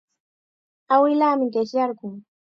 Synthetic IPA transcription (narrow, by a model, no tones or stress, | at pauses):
awɪlaːmɪɢeʃjɑɾɢʊŋ